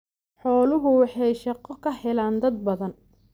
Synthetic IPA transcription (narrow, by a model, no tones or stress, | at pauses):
ħɔːlʊɣʊwɑħɑjʃɑqɔkʰɐhɛlaːnd̪ɐd̪̚bɐðɐn